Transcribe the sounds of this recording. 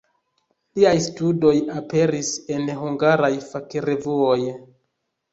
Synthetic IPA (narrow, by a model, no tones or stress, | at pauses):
liajstudo̞jape̞ɾise̞nɦuŋɡaɾajfakiɾe̞vuo̞j